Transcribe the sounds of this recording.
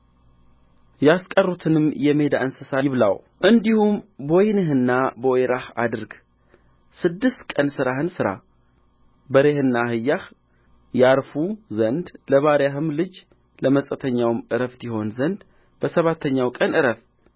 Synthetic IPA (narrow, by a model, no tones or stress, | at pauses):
jaskʼərːut̪ʰɨnɨmjɛme̞d̪a̰ɨnsɨsaɪβla̰w | ʔɨnd̪ihumbojnɨɦɨnːabəwjɾaha̰d̪ɨɾɡ | sɨd̪ːɨst̪kʼənsɨɾahɨnsɨɾa̰ | bəɾe̞hɨnːahɨjːah | jaɾfuzənd̪ləβaɾjaɦɨmlɨd͡ʒ | ləməsʼət̪ʰəɲːawɨmʔɨɾəft̪iho̞nzənd̪ | b̥əsəβat̪ʰːəɲːawkʼənʔɨɾəf